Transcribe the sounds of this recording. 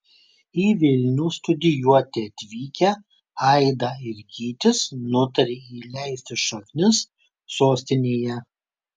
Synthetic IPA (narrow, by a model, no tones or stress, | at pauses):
iːʋʲɪlʲnʲuːst̪ʊd̪ʲɪjuɔt̪ʲeːɐt̪ʲʋʲiːkʲɛ | ɐɪd̪ɑɪɾɡʲiːt̪ʲɪsnʊt̪ɐɾʲeːiːlʲɛɪsʲt̪ʲɪsʃɐknʲɪsː | oːsʲt̪ʲɪnʲeːjɛ